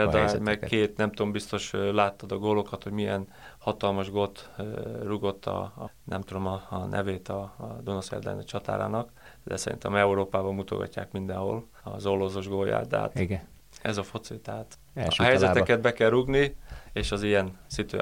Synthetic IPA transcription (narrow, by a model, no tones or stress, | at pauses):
ɛd̪mɛkkeːt̪nɛmt̪ombist̪o̞ʃlaːt̪ːɒd̪ɒɡoːlo̞kɒt̪hoɟmijɛn | hɒt̪ɒlmɒʒɡot̪ruɡot̪ʰːɒ̰ | nɛ̰mt̪ud̪o̞mɒnʔɛ̰veːt̪ɒd̪onosɛ̰rd̪ɛ̰nɛt͡ʃɒt̪a̰ːɾa̰ːnɒkd̪ɛ̰sɛɾḭnt̪ɛ̰mɛuɾoːpaːbɒmmut̪o̞̰ɡɒ̰cːa̰ːkmind̪ɛnho̞̰l | ɒ̰zolːozoʒɡoːja̰ːt̪ɛ̰ɦa̰t̪iɡ | ɛzɒfo̞t̪sit̪ɛat̪ | ɦɛjzɛɛkɛd̪̚bɛkɛlɾuɡnieːʃɒzijɛnsit̪ø̰ː